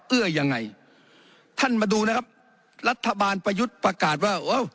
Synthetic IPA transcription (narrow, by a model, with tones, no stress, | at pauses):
ʔɯ˧˩ɐja˧ŋːa˧˩j | t̪ʰa˥˩nmaː˧duː˧na˦˥˧kʰa˦˥p̚ | la˦˥t̪ʰːa˧baː˧npa˧ju˦˥t̪̚pɾa˧kaː˨˩t̪̚waː˥˩ʔo˧˥˨w